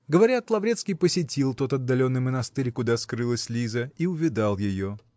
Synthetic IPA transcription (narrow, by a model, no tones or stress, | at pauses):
ɡəvɐɾʲat̪lˠɐvɾʲe̞t̪skʲɪjpəsʲɪtʲilˠt̪o̞t̪ɐd̪ːɐlʲo̞nːɨjmənɐst̪ɨɾʲkʊd̪askɾɨlˠəsʲlʲizəiʊvʲɪd̪alˠjɪjo̞